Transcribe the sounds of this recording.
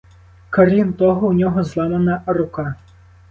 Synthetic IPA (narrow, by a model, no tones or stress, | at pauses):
kɐɾʲint̪ɔɦɔwnʲɔɦɔzlˠamɐnɐrʊka